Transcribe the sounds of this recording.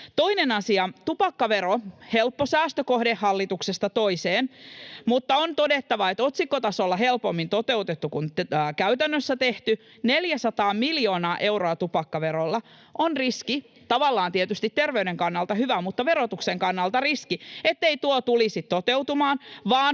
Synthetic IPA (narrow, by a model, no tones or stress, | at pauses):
t̪o̞inenɑsiɑt̪upɑkːɑʋeɾohelpːosæːst̪økohdehːɑlːit̪uksest̪ɑt̪oiseːnmut̪ːɑont̪odet̪ːɑʋɑet̪ot̪sikːot̪ɑsolːɑɦelpomːint̪ot̪eut̪et̪ːukunːkæyt̪ænːøsːæt̪eht̪y | neljæsɑt̪ɑːmiljoːnɑːʔe̞uroɑt̪upɑkːɑʋeɾolːɑ | ʔonriski | t̪ɑʋɑlːɑːnt̪iet̪yst̪it̪t̪erʋeyɥdeŋkɑnːɑlt̪ɑhyʋæmut̪ːɑʋerot̪ukseŋkɑnːɑlt̪ɑriskiet̪ːeit̪uot̪ulisit̪ːot̪eut̪umɑːnʋɑːn